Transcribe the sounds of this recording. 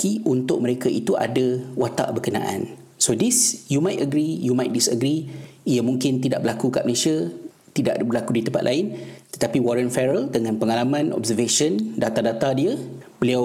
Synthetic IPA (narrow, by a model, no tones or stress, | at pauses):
kiʔunt̪ʊʔ̚məɾekaʔḭt̪uʔa̰dawat̪a̰ʔbəkəna̰ʔã̰n | sodisjumajtəɡɾijumajt̪̚disəɡɾiijəmũŋkɪnt̪idaʔbəlakuka̰ʔməlesia | t̪ida̰ʔbərlakudit̪əmpa̰t̪lʔa̰ɪnt̪ə̥t̪apiwɔɾənfɛɾəldəŋãnpəŋalamãnʔɔ̰bzəveʃəndat̪adat̪adiəbəliaw